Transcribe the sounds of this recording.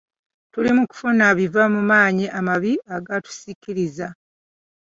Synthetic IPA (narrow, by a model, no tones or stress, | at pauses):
tulimuku̥funaβivamumaːɲiʔamaβiaɡatu̥sikiɾiza